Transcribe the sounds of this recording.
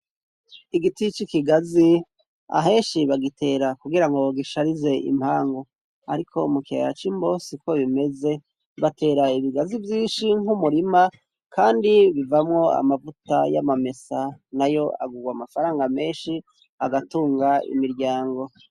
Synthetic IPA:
iɡitit͡ʃikiɡazi | a̰ɦe̞ːnʃiβaɡitʰe̞ːɾakuɡiɾaŋɡo̞ɡiʃaɾize̞ʔḭmhaːŋɡo̞ | aɾikʰo̞mukḛɾat͡ʃimbo̞siko̞βime̞ze̞ | βatʰe̞ːɾaiβiɡazivjiːnʃiŋumuɾima | kʰaːndiβivamŋo̞a̰mavutaja̰mame̞sanajo̞a̰ɡuɡwamafaɾaːŋɡame̞ːnʃi | aɡatuːŋɡaḭmiɾɟaːŋɡo̞

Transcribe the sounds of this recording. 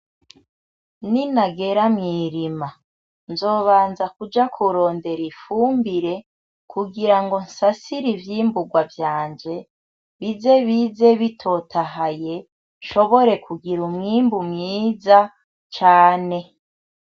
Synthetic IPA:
ninaɡe̞ɾamŋiːɾima | nzo̞ːβaːnzakud͡ʒakʰuɾo̞ːnde̞ɾifuːmbiɾe̞ | kʰuɡiɾaŋɡo̞nsasiɾivjiːmbuɡwavjaːnd͡ʒe̞ | βize̞βize̞βitʰo̞tʰaɦaje | nʃo̞βo̞ɾe̞kʰuɡiɾumŋiːmbumŋiːza | t͡ʃaːne̞

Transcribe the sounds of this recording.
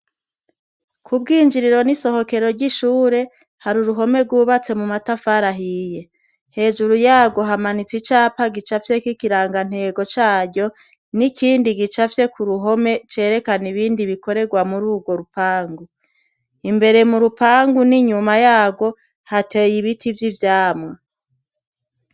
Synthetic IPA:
kʰub̚ɡiːnd͡ʒiɾiɾo̞niso̞ho̞ke̞ɾo̞ɾɟiʃuːɾe̞ | haɾuɾuɦo̞me̞ɾɡuːβat͡se̞mumatafaɾaɦije̞ | he̞ːʒuɾujaːɡo̞ɦamanit͡sit͡ʃaːpaɡit͡ʃafje̞kikiɾaːŋɡan̥he̞ːɡo̞t͡ʃaːɾɟo̞ | nikʰiːndiɡit͡ʃafje̞kuɾuɦo̞me̞t͡ʃe̞ːɾe̞kaniβiːndiβiko̞ɾe̞ɡwamuɾuːɡwo̞ɾupaːŋɡu | imbe̞ɾe̞muɾupaːŋɡuniɲumajaːɡo̞ | hate̞ːjiβitʰivjivjaːmŋa

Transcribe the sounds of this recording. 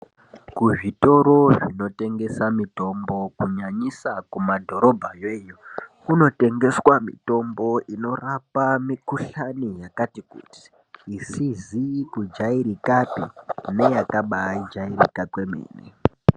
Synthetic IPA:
kuʐito̞ɾo̞ʐino̞te̞ŋɡe̞samito̞mbo̞kuɲaɲisakumadʱo̞ɾo̞bʱajeːjokuno̞te̞ŋɡe̞swamḭto̞mbo̞ʔino̞rapamikuɬanijakatikṵti̥ː | sizikud͡ʒaiɾikapine̞jakaɓaid͡ʒairḭkapwe̞mḛːnḛ

